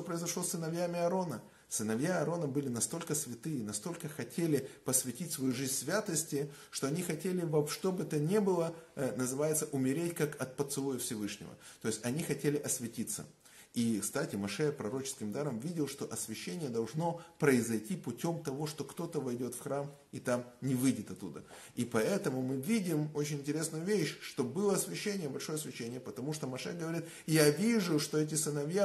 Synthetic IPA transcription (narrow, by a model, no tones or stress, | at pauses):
opɾəɪzɐʂlˠo̞sːɨnɐvjamʲɪɐɾo̞nə | sɨnɐvjaɐɾo̞nəbɨlʲɪnɐst̪o̞lʲkəsvʲɪt̪ɨinɐst̪o̞lʲkəxɐtʲelʲɪpəsvʲɪtʲitʲsvɐjuʐɨzʲnʲsvʲat̪əsʲtʲɪ | ʂt̪oɐnʲixɐtʲelʲɪvɐʂt̪o̞bɨt̪ənʲe̞bɨlˠənəzɨvajɪt̪səʔʊmʲɪɾʲetʲkakɐt̪̚pət̪sɨlˠujɪfsʲɪvɨʂnʲɪ̰və̰t̪o̞jɪsʲtʲɐnʲixɐtʲelʲɪʔɐsʲvʲɪtʲit̪sːə̰ | ikst̪atʲɪmɐʂɛpɾɐɾo̞t͡ɕɪ̥skʲɪmd̪aɾəmvʲidʲɪlˠʂt̪o̞ʔɐsvʲɪɕːenʲɪjəd̪ɐlˠʐno̞pɾəɪzɐjtʲipʊtʲo̞mt̪ɐvo̞ʂt̪o̞kt̪o̞t̪əvɐjdʲo̞t̪fxɾam | it̪amnʲɪvɨjdʲɪt̪ɐt̪ːṵd̪ə̰ | ipɐɛt̪əmʊmɨvʲidʲɪmo̞t͡ɕɪnʲɪnʲtʲɪɾʲe̞snʊjʊvʲeɕʂt̪o̞bɨlˠəɐsvʲɪɕːenʲɪjəbɐlʲʂo̞jəɐsvʲɪɕːenʲɪjəpət̪ɐmuʂt̪o̞mɐʂɛ̰ɡəvɐɾʲit̪ | javʲiʐʊʂt̪o̞ɛt̬ʲɪsɨnɐvja